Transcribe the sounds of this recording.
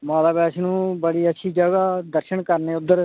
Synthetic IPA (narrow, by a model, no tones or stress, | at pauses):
mãːlaːbɛːʃnũːbəɽiːətːʃʰiːd͡ʒəɡaːd̪əɾʃəɳkəɾneːʊd̪ːəɾ